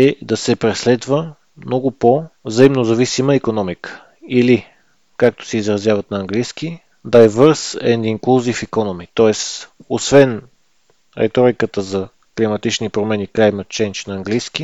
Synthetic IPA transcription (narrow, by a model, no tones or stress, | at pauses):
ɛd̪ɐsɛpɾɛslɛd̪və | mnɔɡʊpovzɐimnozɐvisiməikonɔmikə̥ | ili | kak̚t̪o̥sɛizɾɐzjavɐt̪nɐːŋɡlijski | d̪aɛvɤɾsɛ̰nd̪iŋkˠuzifikonɔmit̪ɔɛsosvɛn | ɾɛ̰t̪ɔɾikət̪əzɐ | klimɐt̪it͡ʃnipɾomɛniklajmɐt̪̚t͡ʃɛjnt͡ʃnɐːŋɡlijski